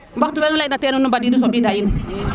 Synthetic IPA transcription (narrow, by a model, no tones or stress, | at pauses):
mbak̚tubenulainatenunubadidis̬obidajinu